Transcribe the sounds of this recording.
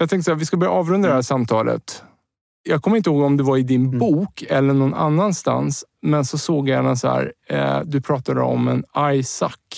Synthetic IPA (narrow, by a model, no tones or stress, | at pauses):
jɑːɡt̪ʰɛŋk̪əsɔhæɾvɪskabœɾja̰ʔɑːvɾɵnd̪ɾad̪ɛhæːʂamt̪ʰɑːlʔə̰t̪ | jɑːɡkʰɔmːɪnt̪əhoːɡɔmd̪ɛvaɾɪd̪ɪnbuːkʰɛlːəɳɔna̰nːanst̪a̰ns | mɛnsɔsoːɡjɛnasɔhæ̰ːɾd̪ɵpʰɾɑːt̪ad̪ə̰ɔ̰mɛnajsa̰kː